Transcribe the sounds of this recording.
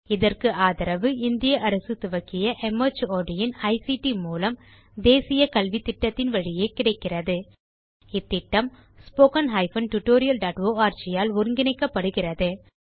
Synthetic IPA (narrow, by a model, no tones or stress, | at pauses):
ɪðɐrkɯaːðɐɾɐʋɯɪnd̪ɪjɐʔɐɾɐsɯt̪ʊʋɐkːɪjɐʔɛmɐt͡ʃoːɖɪjɪnɐɪsiʈimuːlɐm | d̪eːsɪjɐkɐlʋit̪ːɪʈːɐt̪ːɪnʋɐɻɪjeːkɪɽɐɪkːɪrɐðɯ | ɪt̪ːɪʈːɐm | spoːkɐnɦɐɪfɐnʈʊʈːoːɾɪjɐlɖaːʈʋoːaːɾt͡ʃɪjaːlʊɾɯŋɡɪnɐɪkːɐpːɐɽɯɣɪrɐðɯ